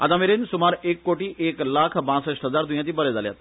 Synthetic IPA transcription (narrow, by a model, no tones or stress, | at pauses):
a̰t̪ameɾensumaɾekːoʈiːʔeklakʰbãt͡səʂʈɦəd͡zaɾd̪ujãt̪iːbəɾed͡zalja̰t̪